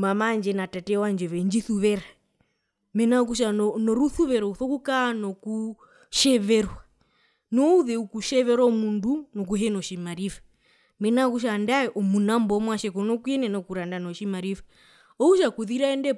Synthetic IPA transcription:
mamand͡ʒɛnatatɛwand͡ʒɛβɛɲd͡ʒiθuβɛɾa | mɛnak̬uʃ̬anɔnɔɾuθuβɛɾɔuθɔkukanɔku | ʃɛβɛɾwa | nɔuðɛukuʃɛʋɛɾwamundunɔk̬uɦɛnɔʃimaɾifḁ | mɛnak̬uʃ̬andaɛʔɔmunambɔmwaʃɛkɔnɔkuɛnɛnakuɾandanɔʃimaɾifḁ | ɔuʃakuðiɾaɛndɛ

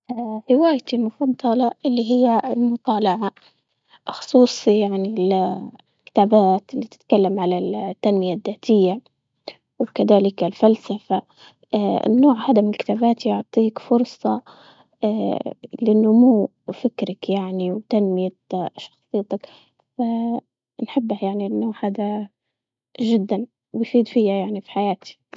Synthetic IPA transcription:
hɪwaːjt̪imʊfɑd̪ˤːɑlɑʔɪlːiɦɪjːaɪlmʊt̪ˤɑːlɑʕa | xʊ̥sˤuːsˤijaʕnil | lkɪ̥t̪aːbaːt̪ɪlːit̪ɪ̥t̪kalːamʕalalt̪ːanmɪjaðːaːt̪ʰɪjːa | wkaðaːlɪkɪlfalsafa̰ | nːoːʕhaːd̪amɪnɪlkɪ̥t̪aːbaːt̪ijʊʕt̪ˤiːkfʊɾsˤɑ | lɪʔɪnːʊmuː | fɪkɾakjaʕniwt̪anmɪja | ʃɑ̥xsˤɨjːt̪ak | fa | nħɪbːahjaʕninːoːʕhaːd̪a | ʒɪd̪ːan | wɪjfiːd̪fɪjːajaʕnifi̥ħajaːt̪i̥

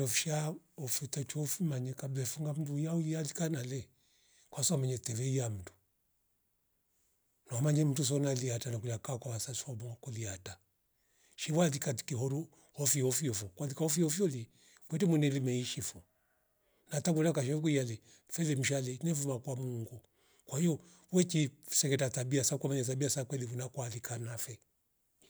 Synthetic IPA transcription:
ɔfʃa | ɔfitat͡ʃɔfimaɲɛkablɛfuŋɡam̩dujaualikanalɛ | kwasɔmaɲɛtɛvɛijam̩tu̥ | namaɲɛm̩tus̬ɔnaliatanakulakakwawasaswamkɔliata | ʃiwalikati̥kiɦɔɾu | hɔfiɔfiɔfɔkwaðikahɔfiɔfiɔli | kwɛtimwɛnɛlimɛiʃifɔ | nataŋɡulakaʃɔfkuialɛ | fɛlɛm̩ʃalɛnɛfumakwamuŋɡu | kwahijɔ | wɛt͡ʃisɛkɛtatabiasakwamaɲatabiasakwɛliβunakwalikanafɛ

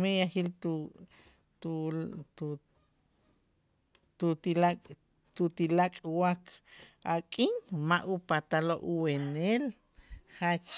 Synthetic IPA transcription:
mejaχiltu | t̪u | t̪ut̪ilakʼ | t̪ut̪ilakʼwakʰakʼiŋmaʔupat̪aloʔuwenel | χat͡ʃ

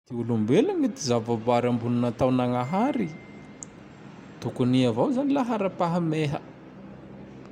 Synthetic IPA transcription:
t̪iulumbelaɲit̪izavavaɾambununat̪awnaŋaɦaɾi | t̪ukuniavawzanilaɦaɾapaɦameɦə

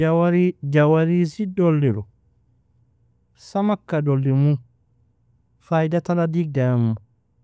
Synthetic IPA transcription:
awaɾid͡ʒawaɾisidolːiɾɔ | samakːadolːimu | fajdataladiɡ̚dajamːu

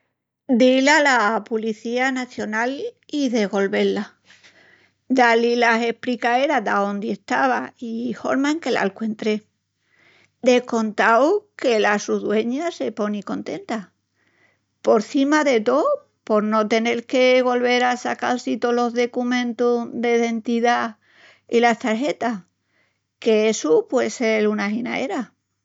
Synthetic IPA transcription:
d̪ilalapuliθianaθjo̞naliðe̞ɣo̞lβe̞la | d̪alilae̞hpɾikae̞ɾad̪ao̞nd̪iest̪aβ̞aiho̞̰ɾmaeŋke̞la̰lkwe̞nt̪ɾe̞ | d̪e̞hko̞nt̪awke̞lasuðwe̞ɲase̞poniko̞nt̪e̞nt̪a | po̞ɾθimaðe̞t̪o̞ | po̞ɾno̞t̪e̞ne̞ɾke̞βo̞lβe̞ɾasaka̰lsit̪olo̞zðe̞kumẽ̞nt̪uðe̞ðe̞nt̪iða | ilast̪aɾɦe̞t̪a | keesupweðselunaɦina̰ḛɾa

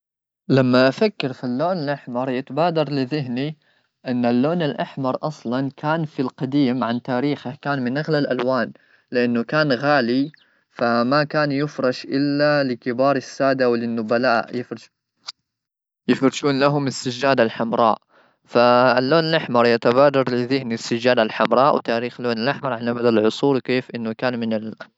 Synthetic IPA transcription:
lamːaʔafakːɪɾfilːoːnɪlʔaħmɑɾˤjɪt̪abaːd̪ɑɾˤlɪðɪɦni | ʔɪnːalːoːnɪlʔaħmɑɾˤʔɑsˤlɑnkʰaːnfilqɑd̪iːmʕant̪aːɾiːxahkaːnmɪnʔaɣlalʔalwaːn | lɪʔanːʊkaːnɣaːli | famakaːnjʊfɾˤɑʃʔɪlːalɪkɪbɑːɾˤɪsːaːd̪awlɪnːʊbalaːʔjɪfɾɪʃ | jɪfɾɪʃuːnlaɦʊmɪsːad͡ʒːaːd̪alħamɾˤɑ̰ːʔ | falːoːnɪlaħmɑɾˤjat̪abaːd̪ɑɾˤlɪðɪhnisːad͡ʒːaːd̪alħamɾˤɑːʔwt̪aːɾiːxloːnlʔaħmɑɾˤʕanʔabad̪alʕʊsˤuːɾwkeːfʔɪnːʊkaːnmɪnɪl

